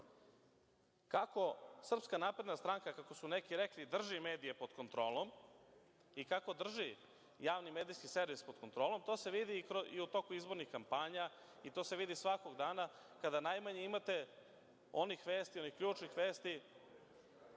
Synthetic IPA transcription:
kako̞sr̩pskanaːpɾe̞d̪nast̪ɾaŋkakako̞sunekiɾeklid̪r̩ʒime̞ːd̪ije̞po̞d̪ko̞nt̪ɾo̞ːlˠo̞m | ikako̞d̪r̩ʒi | jaːʋnimeːd̪ijskiseɾʋispo̞d̪̥ko̞nt̪ɾo̞ːlo̞mt̪o̞ːse̞ʋid̪ikɾoiut̪o̞kuizbo̞ɾnixkampaɲa | it̪o̞ːse̞ʋid̪isʋako̞ɡd̪aːna | kad̪anajmaɲeimat̪e̞ | o̞nixʋe̞ːst̪io̞nixkʎuːt͡ʃnixʋe̞ːst̪i

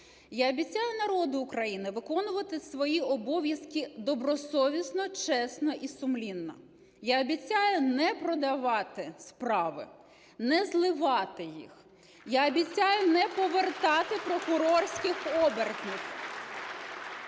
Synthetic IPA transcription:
jaɔbʲit͡sʲːajʊnɐɾɔd̪ʊːkɾɐjinɪʋɪkɔnʊʋɐt̪ɪsʋɔjiɔbɔʋʲjɐskʲid̪ɔbɾɔsɔʋʲisnɔt͡ʃɛsnɔʔisʊmlʲinːɐ̰ | jaɔbʲit͡sʲːajʊnɛpɾɔd̪ɐʋɑt̪ɪspɾɑʋɪ̰ | nɛzlˠɪʋɑt̪ɪjḭx | jaɔbʲit͡sʲːajʊnɛpɔʋert̪ɑt̪ɪpɾɔkʊɾɔrsʲkʲɪxɔbert̪nɪx

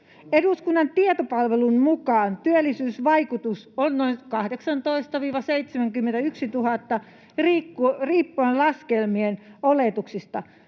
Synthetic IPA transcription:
eduˑskunːɑnt̪iet̪opɑlʋelunmukɑːnt̪yølːisyːsʋɑikut̪usonnoinkɑhdeksɑnt̪oist̪ɑʋiːʋɑseit̪semæŋkymːent̪æyksit̪uhɑt̪ːɑ | riːkːuriːpːuellɑskelmienoleˑt̪uksist̪ɑ

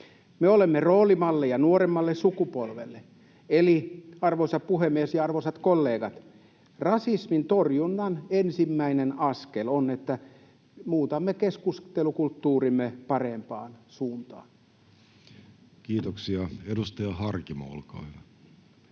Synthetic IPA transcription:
meolemːeroːlimɑlːejɑnuoɾemːɑlːessukupolʋelːe | eliɑrʋosɑpuhemːiesjɑɑrʋosɑt̪kolːeːɡɑt̪ | rɑsismint̪orjunːɑnensimːæinenɑskelonet̪ːæ | muːt̪ɑmːekeskust̪elukult̪ːuːrimːepɑrempɑːnsuːnt̪ɑ̰ːn | kiːt̪oksiɑedust̪ɑjɑhɑrkimo̰lkɑ̰ːylæ

